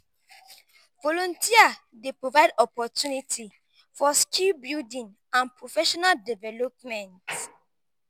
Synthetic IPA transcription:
vɔlɔ̃ntʰia | depɹovaɪdɔpɔtjunitʰi | fɔskilbildĩŋ | ãnpɹofɛʃɔnaldɛvɛlɔp̚mɛ̃nt

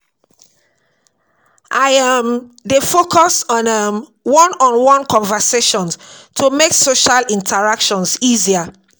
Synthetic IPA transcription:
ʔaɪamdefokʰɔsɔ̃nəm | wɔ̃nɔ̃nwɔ̃nkɔ̃nvəseʃɔ̃ntʰumeksoʃalĩntʰəɹakʃɔ̃nsizia

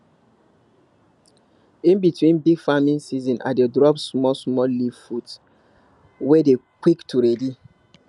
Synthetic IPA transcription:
ĩnbitwĩnbiɡfamĩnsizɔ̃nʔa̰dedɹɔpsmɔsmɔliv̥fud | wɛdekwiktʰuɹɛdi

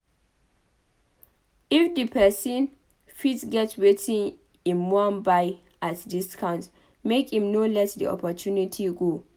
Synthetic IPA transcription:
ifdəpʰɛsĩn | fitsɡɛtwetʰĩŋ | ĩnmɔãnbaj | ʔatdiskʰãʊ̃nt | mekhĩmnolɛtdḭɔ̰pɔtʰjunitʰiɡo

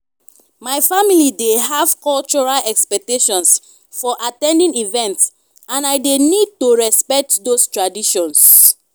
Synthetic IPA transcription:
majfamilideɦav̥kɔlt͡ʃɔɹalɛkspɛk̚teʃɔ̃ns | fɔʔatɛ̃ndĩŋivɛ̃nts | ãnajdenid̚toɹɛspɛk̚tdostɹadiʃɔ̃ns

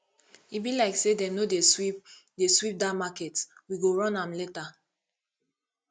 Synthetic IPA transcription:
ibilaɪksedɛ̃mnodewipdeswip̚damakɛtwiɡoɹɔ̃nãmleta

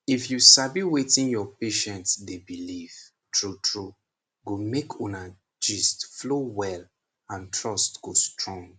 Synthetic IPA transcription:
ifjusabiwetĩnjɔpeʃɛ̃ntsdebiliv | tɹutʰɹu | ɡomekʰuna | d͡ʒistflowɛl | ãntʰɹɔstɡ̥ostɹɔ̃ŋɡ

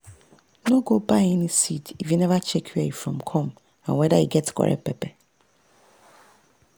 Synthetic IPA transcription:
nõɡobaɪɛnĩsitʰivinɛvat͡ʃʰɛkʰiajifɹɔ̃mkʰɔ̃m | ãnwɛdaiɡɛtkʰɔ̰ɾʔɛ̰pʰɛpʰɛ

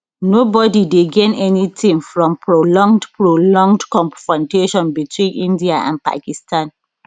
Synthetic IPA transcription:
nobɔdideɡẽnɛnitĩŋfɹɔ̃mpʰɹolɔ̃ŋɡdpɹolɔ̃ŋɡdkɔ̃mfɹɔ̃ndeʃɔ̃nbitʰwĩnʔĩndiaã̰npa̰kistʰãn

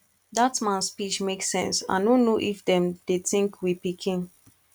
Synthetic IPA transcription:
datmãnspit͡ʃmeksɛ̰̃nsã̰nonːoʔifdɛ̃mdeθĩŋkʰwipikʰĩn

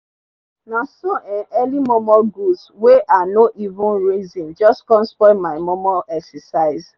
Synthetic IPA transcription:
nasoʔɛ̃nɛlimɔmɔlɡusweʔanoʔivʊ̃nɹizĩnd͡ʒɔstkɔ̃nspɔmaɪmɔmɔlɛksɛsaɪz

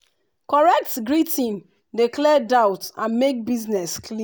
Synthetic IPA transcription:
kɔɹɛk̚tɡɹitĩn | diklɛdaʊtãnmek̚biznɛskli

